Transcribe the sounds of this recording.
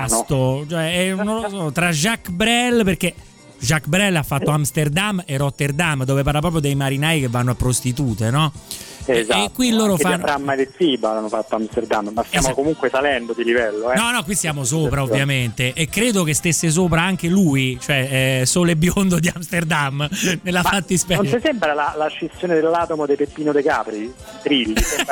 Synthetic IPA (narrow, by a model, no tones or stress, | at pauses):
nt̪ot͡ʃoɛɛnõnlosɔt̪ɾad͡ʒakːbɾɛlperke | ʒakːbɾɛlːafːat̪ːoamst̪erd̪amːerot̪ːerd̪amːd̪oːvep̬arlap̬ɾɔːp̬jod̪ejmaɾinaːjk̟evːanːoapːɾost̪it̪uːt̪enɔ | zakːwilːoːɾofaɾamːajd̪esiːbaanːofat̪ːoamst̪erd̪amːmːast̪jaːmokomuŋkwesalɛnd̪od̪ilivɛlːoɛnɔnɔkːwist̪jaːmos̬oːpɾaovjament̪eʔːkːɾeːd̪okest̪esːes̬oːp̬ɾaaŋk̟eluːit͡ʃoɛɛsoːlebːjond̪od̪iamst̪erd̪amːnelafat̪ːispɛnesɛmbɾalalaʃːest̪ːjoːned̪elːaːt̪omod̪ejpepːiːnod̪ekaːpɾit̪ɾilːisɛ